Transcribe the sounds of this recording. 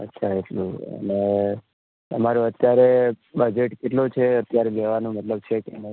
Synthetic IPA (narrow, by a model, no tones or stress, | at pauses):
ə̰tːʃʰaeʈlṵ̃ə̰ne | ə̰maɾuət̪jaɾe | bəd͡ʒeʈkeʈlõt͡ʃʰeət̪jaɾeleʋanũmət̪ləb̚t͡ʃʰekene